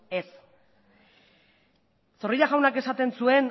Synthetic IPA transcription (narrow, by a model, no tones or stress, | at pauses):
es | so̞riʎaɣawnakesat̪e̞nsue̞n